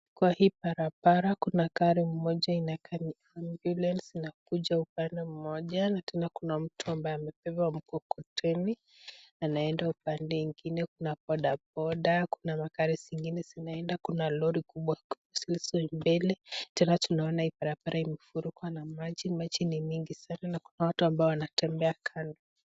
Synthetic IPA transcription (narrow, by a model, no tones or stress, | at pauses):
kwahiːpaɾapaɾakunakaɾim̩mɔʄainakʰani | ambjulɛnsinak̚uʄaupandɛm̩mɔʄanatʰɛnakunam̩tʰuambaɛamɛp̚ɛwam̩kɔkɔtɛni | anaɛndaupandɛŋɡinɛkunapɔɗabɔɗakunamakaɾisiŋɡinɛzinaɛndakunalɔɾikuɓwakusilisɔimbɛlɛtɛnatunaɔnaipaɾapaɾaimɛfuɾukwanamad͡ʒimad͡ʒinimiŋɡisananakunawatuambaɔwanatɛmbɛakʰandɔ